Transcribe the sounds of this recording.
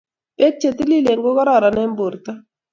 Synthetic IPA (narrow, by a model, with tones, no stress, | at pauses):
pe˦t̚t͡ʃe˨t̪i˦li˦le˨ŋɡo˦ka˦ɾa˦˨ɾa˨ne˦m˦bo˨ɾt̪a˦